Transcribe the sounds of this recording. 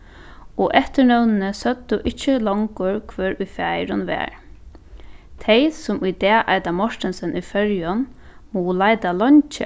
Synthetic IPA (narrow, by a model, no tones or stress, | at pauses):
ɔʔɛht̪əɾnœwnɪnəsœt̪ːʊʔɪht͡ʃːəlɔŋkʊɹkʰvœːɾʊjfjajɾʊnʋɛ̰ːɹ | t̪ʰejsʊmujd̪ɛːʔajt̪amɔʂt̪ɪnsɪnʔujfœɹjʊnmuːlajt̪alɔɲt͡ʃɪ̰